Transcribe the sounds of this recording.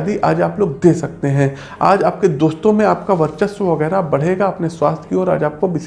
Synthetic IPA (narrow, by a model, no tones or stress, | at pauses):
d̪iʔa̰ːd͡ʒaːploːɡ̚d̪eːsɐk̚t̪eɦɛ̃ː | aːd͡ʒaːp̚ked̪oːst̪õmẽaːpkaʋɐɾt͡ʃəsʋɐɣɛːɾabɐɽ̤eːɡaɐpneswaːst̪ʰkiɔːɾa̰ːd͡ʒaːp̚kobɪs